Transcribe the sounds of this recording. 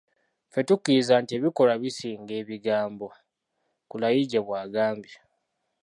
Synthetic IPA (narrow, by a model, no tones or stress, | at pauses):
fe̞tukːizaːntie̞βiko̞laβisiːŋɡe̞ːβiɡaːmbo̞ | kulajiɟeβwaːɡaːmbi